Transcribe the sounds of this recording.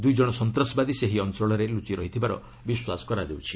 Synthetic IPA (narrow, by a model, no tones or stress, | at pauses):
d̪ujd͡ʒɔɽ̃ɔsɔnt̪ɾɔsɔbad̪iseɦiɔnsɔɭɔɾelut͡ʃiɾɔɦit̪ʰibaɾɔ̰ | biswasɔ̥kɔɾad̪ewt͡ʃʰi̥